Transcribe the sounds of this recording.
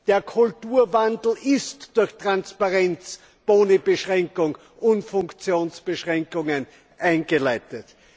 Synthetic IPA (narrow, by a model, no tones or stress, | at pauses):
d̥eːɐkʰʊltuːɐvandl̩ɪstd̥ʊɐçtʁ̥anspaʁɛnt͡s | b̥oːnəbəʃʁɛŋkʊŋ | ʊntfʊŋkt͡sjoːnsb̥əʃʁɛŋkʊŋən | ʔaɪnɡəlæɪtət